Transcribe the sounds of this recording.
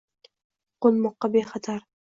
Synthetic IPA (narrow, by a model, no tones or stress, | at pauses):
qolˠmɒqːɑbeχɑt̪ʰaɾ